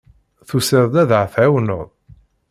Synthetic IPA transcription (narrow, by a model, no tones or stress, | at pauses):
θusɪɾˤd̪æðʕθʕawno̰ðˤ